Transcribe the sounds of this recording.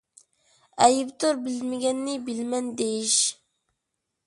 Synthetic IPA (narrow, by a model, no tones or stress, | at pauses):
ɛjɪbt̪oɾbɪlmɪɡʲɛnːɪbɪlmɛnd̪ejiʃ